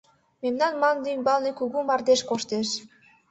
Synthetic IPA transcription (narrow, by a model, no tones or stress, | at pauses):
memnɑnmɑnd̪inʲbɑlˠnikuɣumɑrd̪eʃkoʃt̪eʃ